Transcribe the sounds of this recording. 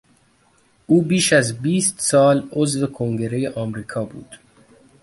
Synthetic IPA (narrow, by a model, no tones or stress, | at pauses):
ʔuːbiːʃæzbiːst̪sɒːlozve̞kʰoŋɡe̞ɾejeʔɒːmɾiːkʰɒːbṵːd̪̥